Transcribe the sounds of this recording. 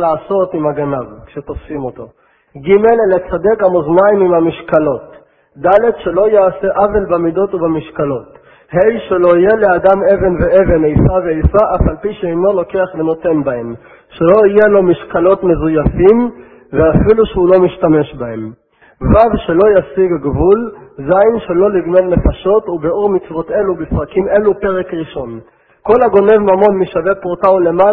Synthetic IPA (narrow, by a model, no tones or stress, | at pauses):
laːso̞timaɡanavkʃet̪o̞fsimo̞to̞ | ɡime̞llːet͡sad̪ekamoznaimimhamiʃkalo̞t | d̪ale̞dʃe̞lo̞jaːse̞ʔavelbamido̞tubemiʃkalo̞t̪ | hejʃelo̞ije̞le̞adame̞ve̞nvee̞ve̞nejfaveejsaʔafalpiʃeino̞lo̞ke̞aχleno̞t̪e̞nbahe̞m | ʃelo̞ije̞lo̞miʃkalo̞tme̞zujafim | veafiluʃeulo̞miʃtame̞ʃbahe̞m | vavʃe̞lo̞jasiɡɡvulzajnʃe̞lo̞liɡnolne̞faʃo̞tubeuʁmit͡svo̞te̞lubifʁakime̞lupe̞ʁekʁiʃo̞n | ko̞laɡo̞ne̞vmamo̞nmiʃavepʁotaule̞ma